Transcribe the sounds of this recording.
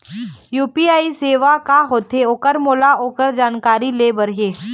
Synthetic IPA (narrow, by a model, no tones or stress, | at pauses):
juːpiaːiseːʋakaɦoːt̪eoːkəɾmoːlaoːkəɾd͡ʒaːnkaːɾilebɐɾɦeː